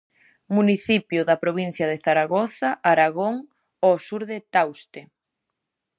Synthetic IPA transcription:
muniθipjʊðapɾoβin̟θjaðeθaɾaɣɔθaʔaɾaɣoŋ | ɔsuɾðet̪awst̪e

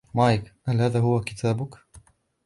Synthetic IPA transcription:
maːjkhalhaːðaːɦʊwakɪt̪ʰaːbʊk

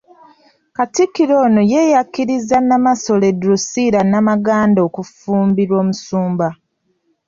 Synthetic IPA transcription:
katikːiɾo̞ːnoje̞jakːiɾizanamaso̞le̞dɾusiɾanamaɡaːndo̞ːkufuːmbiɾo̞ːmusuːmba

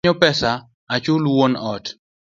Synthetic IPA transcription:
ɔpɛsa | at͡ʃʊlwonɔt

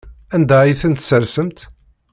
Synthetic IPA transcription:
ænd̪æjiθənt̪səɾsəmt̪

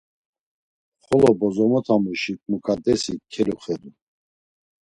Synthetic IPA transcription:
χɔlɔbɔzɔmɔt̪ʰamuʃikʼmukʼad̪ɛsikʰːɛlɔχɛd̪u

